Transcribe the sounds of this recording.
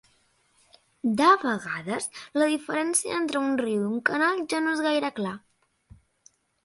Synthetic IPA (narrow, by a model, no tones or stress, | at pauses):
d̪aβəɣaðəsləðifəɾɛnsiə̰ent̪ɾəunriwiuŋkənalˠʒanoezɣajɾəkla